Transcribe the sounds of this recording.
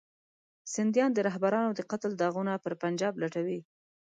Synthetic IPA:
sɪnd̪jɑnd̪əɾaɦbaɾɑnod̪əqat̪ld̪ɑɣunapəɾpand͡ʒɑblaʈawi

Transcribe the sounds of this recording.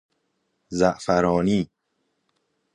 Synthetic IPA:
zæʔfæɾɔːniː

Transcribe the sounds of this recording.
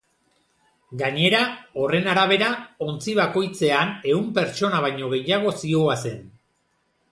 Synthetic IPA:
ɡaɲe̞ɾao̞re̞naɾaβ̞e̞ɾao̞nt͡siβ̞ako̞jt͡se̞ane̞umpe̞ɾt͡ʃo̞naβ̞ajɲo̞ɣe̞jaɣ̞o̞sio̞ase̞n

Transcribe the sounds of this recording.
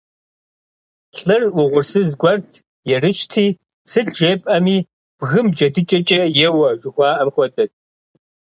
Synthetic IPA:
ɬʼɨrwʊʁʷʊrsɨzɡʷɐrtʰ | jɛrɨʃtʰiː | sɨtʰʒeːpʼɐmiː | b̥ɣɨmd͡ʒɐdɨt͡ʃʼɐt͡ʃʼɐjɛwɐʒʷʊxʷɑːʔɐmxʷɔdɐt̚ʼ

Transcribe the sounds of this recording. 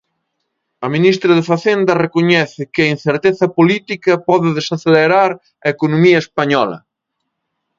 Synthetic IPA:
ɐminist̪ɾɐðefaθend̪ɐrekoɲɛθɪkɪɐin̟θeɾt̪eθɐpolit̪ikɐpɔðɪðesaθeleɾaɾ | ɐekonomiɐespaɲɔlɐ̰

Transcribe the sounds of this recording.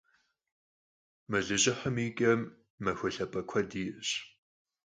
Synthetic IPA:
mɨɮɨʑʼɪħəmiːɡʼɐmː | ɐxʷʊɬɐpʼɐkʷʰɐdiːʔɕ

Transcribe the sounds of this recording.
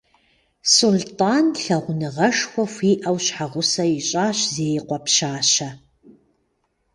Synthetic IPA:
sultʼaːnɬɐʁʷʊnɨʁɐʂxʷɔxʷiːʔɐwɕħaʁʷʊsɐiɕʼaːɕzeːjqʷɔpʃaːɕɐ

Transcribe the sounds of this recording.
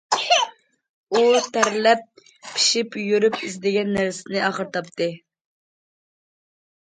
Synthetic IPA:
ut̪ʰæɾlɛp̚ːʰ | i̥ʃipjyɾypizd̪ɪɡʲɛnːæɾsɪnɪɑχəɾt̪ʰɑpt̪ʰɨ

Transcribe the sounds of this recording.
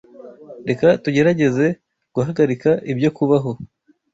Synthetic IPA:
nde̞katuɟe̞ɾaɟe̞ze̞ | ɡ̥uɦaɡaɾikaʔibjo̞kuβaɦo̞

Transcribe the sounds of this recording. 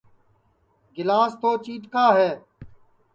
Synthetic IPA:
ɡɪlaːst̪oːt͡ʃiːʈkaːɦɛː

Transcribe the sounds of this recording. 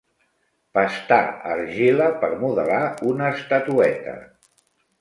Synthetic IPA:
pəst̪a̰ə̰ɾʒiləpəɾmuðəlaunəst̪at̪uɛt̪ə̰

